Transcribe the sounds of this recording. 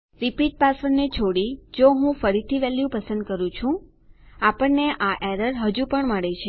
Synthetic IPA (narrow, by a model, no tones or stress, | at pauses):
ɾipiʈ̚pasəɾnet͡ʃʰoɽid͡ʒoɦũfəɾit̪ʰiʋɛljũpəsə̃nd̪̚kəɾũt͡ʃʰũ | apəɳneʔaʔeɾəɾɦəd͡ʒupəɳməɽet͡ʃʰe